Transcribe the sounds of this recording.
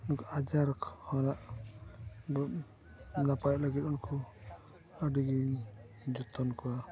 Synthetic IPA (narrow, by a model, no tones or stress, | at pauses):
unkuʔad͡ʒaɾkʰhɔnaʔ | bɔ | napajt̪̚ləɡit̪unkɔ | əɖiɡi | d͡ʒɔt̪ɔnkɔwa